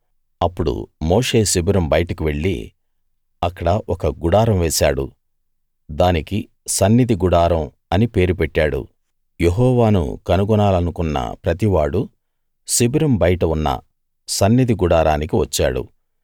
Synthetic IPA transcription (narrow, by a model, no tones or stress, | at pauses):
ɐpːuɽṵmoːʂe̞ːsibiɾɐmbɐjɐʈɐkiʋe̞ɭːḭ | ɐkːɐɽɐʔɔkɐɡuɽaːɾɐmʋeːsaːɽṵ | d̪aːniki | sɐnːid̪ʱiɡuɽaːɾɐm | ɐnipe̞ːɾupeʈːaːɽṵ | jeɦɔːʋaːnṵkɐnuɡunaːlɐnukunːɐ̰pɾɐt̪iʋaːɽu | sibɾɐmbɐjɐʈɐunːɐ̰ | sɐnːid̪ʱiɡuɽaːɾaːnikiʋɐt͡ʃːa̰ːɽṵ